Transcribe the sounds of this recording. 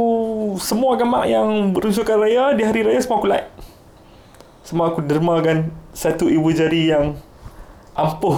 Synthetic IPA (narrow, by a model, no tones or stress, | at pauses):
usəmuaɡama̰ʔjaŋbəɾunsukanrajadiɦaɾiɾajasəmuakulaʔ | səmuakudəɾimakansat̪uibud͡ʒaɾijaŋ | ʔampʊh